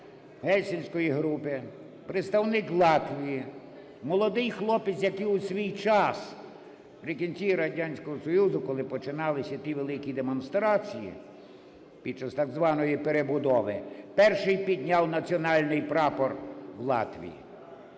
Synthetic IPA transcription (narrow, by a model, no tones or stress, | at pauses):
ɦɛlʲsʲinʲsʲkɔjiɦɾupɪ | pɾɪt̪st̪ɐwnɪklˠɑt̪ʋʲiji | mɔlˠɔd̪ɪjxlˠɔpɪt͡sʲjɐkiʊsʲʋʲijt͡ʃɑs | pɾɪkʲinʲt͡sʲiɾɐdʲanʲsʲkɔɦɔsɔjuzʊkɔlˠɪpɔt͡ʃɪnɑlˠɪsʲɐt̪ʲiʋelˠɪkʲid̪emɔnst̪ɾɑt͡sʲijḭ | pʲid̪̚t͡ʃɐst̪ɑɡzʋɑnɔjipeɾebʊd̪ɔʋɪ̰pɛrʃɪjpʲid̪ʲnʲɑwnɐt͡sʲiɔnɑlʲnɪjpɾɑpɔrwlˠɑ̰t̪ʋʲḭjḭ